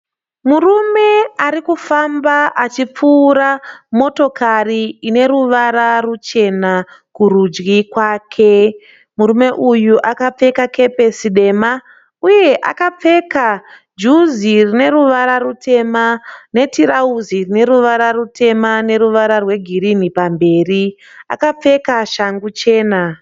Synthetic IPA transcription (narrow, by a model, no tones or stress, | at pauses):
murume̞aɾikufambaʔat͡ʃip͡fuːɾamo̞to̞kariine̞ɾuʋaɾarut͡ʃe̞nakurud͡ʒɡikwaːkʰe̞ | muɾume̞ʔujuʔakap͡fe̞kake̞pe̞siɗe̞ːma | uje̞ʔa̰kap͡fe̞ka | d͡ʒuzirine̞ɾuʋaɾarute̞mane̞tiɾauzirine̞ɾuʋaɾarute̞mane̞ɾuʋaɾarwe̞ɡʱiɾinipambe̞ːri | a̰kap͡fe̞kaʃaŋɡut͡ʃe̞ːna